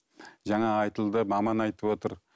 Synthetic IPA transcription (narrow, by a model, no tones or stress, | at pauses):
ʒɑŋɑːjt̪əlˠd̪əmɑmɑnɑjt̪əpwo̞t̪əɾ